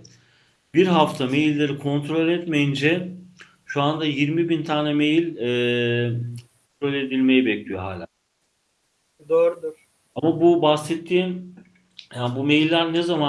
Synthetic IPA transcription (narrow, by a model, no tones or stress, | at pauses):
biɾɦaft̪ʰame̞jilʲːe̞ɾikʰo̞nt̪ɾo̞lʲɛt̪mejind͡ʒɛ | ʃuand̪ajiɾmibint̪ʰaːnɛme̞jilʲɛ | kʰont̪ɾo̞lʲe̞d̪ilʲme̞jibɛclʲijo̞ɦa̰ːlʲaː | d̪oːɾud̪uɾ | amabubasɛt̪ʰːiːn | janbumejilʲːæɾnɛzama